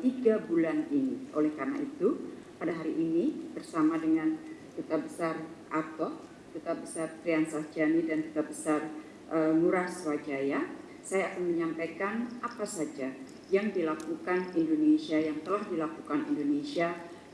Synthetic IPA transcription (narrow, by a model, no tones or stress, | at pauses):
t̪iɡabulaninio̰lɛhkarna̰ʔit̪u | padaɦaɾiʔːnib̥ərsamadəŋant̪ut̪abəsarʔart̪ɔh | t̪ut̪abəsart̪ɾiansahd͡ʒanidant̪ut̪abəsar | ʔəmuɾahswad͡ʒaja | sajaːkanməɲampajkanʔapasad͡ʒa | jaŋdilakukanindonesiajaŋt̪əlahdilakukanḭndonesia